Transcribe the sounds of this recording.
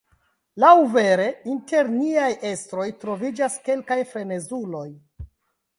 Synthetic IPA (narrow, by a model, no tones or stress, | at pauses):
lawve̞ɾe̞inte̞ɾniajʔe̞stɾo̞jtɾo̞vid͡ʒaske̞lkajfɾe̞ne̞zulo̞j